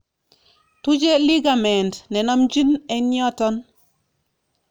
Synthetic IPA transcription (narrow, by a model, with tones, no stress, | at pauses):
tu˦t͡ʃe˦li˦ɡa˨mɛ˨ntnɛ˨nɔ˦md͡ʒi˦nɛ˦ɲɔ˦tɔ˦n